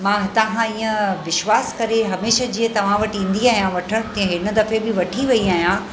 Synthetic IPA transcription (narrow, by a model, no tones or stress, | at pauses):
mãːt̪ɐɦãiːə̃ʋɪʃʋaːskɐɾeɦɐmeːʃad͡ʑiːə̃t̪ɐʋ̤ãʋɐʈĩːnd̪iaːɦijãʋɐʈʰəɽ̃t̪ɐ̃ẽɦɪnə̆d̪ɐfebɪʋɐʈʰiʋɐiaːɦjã